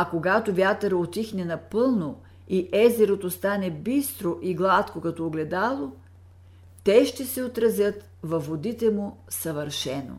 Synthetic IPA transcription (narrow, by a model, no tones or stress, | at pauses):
ɐkoɡat̪ovʲjat̪əɾot̪ixnɛnɐpɤlˠno | iʔɛzɛɾot̪ost̪anɛbist̪ɾoʔiɡlˠat̪kokɐt̪ɔːɡlɛd̪alˠo | t̪ɛʃt̪ɛsɛot̪ɾɐzjət̪ | vɐvːod̪it̪ɛmʊ | sɐvəɾʃɛno̰